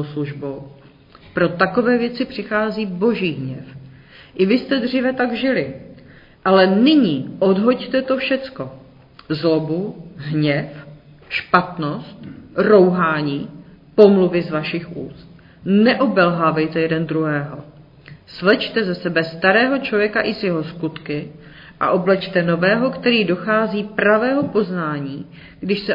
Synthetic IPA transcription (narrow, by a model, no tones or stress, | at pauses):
sluʒbow | pɾo̞t̪ako̞vɛːvjɛt͡sɪpr̥ɪxaːziːbo̞ʒiːɦɲɛf | ʔɪvɪst̪ɛd̪r̝iːvɛt̪aɡʒɪlɪ | ʔalɛnɪɲiːʔo̞dɦo̞ct̪ɛt̪o̞fʃɛt͡sko̞ | zlobuɦɲɛf | ʃpat̪no̞st̪̚ro̞wɦaːɲiː | po̞mluvɪzvaʃɪxʔṵːst̪̚ | nɛʔobɛlɦavɛjt̪ɛjɛdɛnd̪ɾuɦɛːɦo̞ | svɛt͡ʃt̪ɛzɛsɛbɛst̪aɾɛːɦo̞t͡ʃlovjɛkaʔɪzjɛɦo̞skut̪kɪ | ʔa̰ʔo̞blɛt͡ʃt̪ɛno̞vɛːɦo̞kt̪ɛɾiːdo̞xaːziːpɾavɛːɦo̞po̞znaːɲiː | ɡdɪʃsɛ